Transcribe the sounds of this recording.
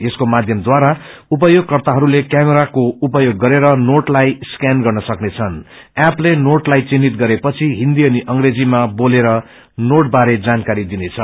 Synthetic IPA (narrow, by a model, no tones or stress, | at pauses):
eskomad̪ʱjʌmd̪waɾaup̬ʌjoɡ̚kʌrt̪aɦʌɾulekjameɾakoupʌjoɡːʌɾeɾʌnoʈlajskanɡʌrnʌsʌknet͡sʰʌn | aplenoʈlajt͡sinːit̪ɡʌɾepʌt͡sʰiɦĩnd̪iʌniʔʌŋɡred͡zimaboleɾʌ | noʈbaɾed͡zankaɾid̪inet͡sʰʌ